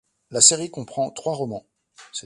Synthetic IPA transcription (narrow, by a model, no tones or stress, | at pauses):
laseʁikɔ̃pχɑ̃t̪χwaʁɔmɑ̃ | sɛ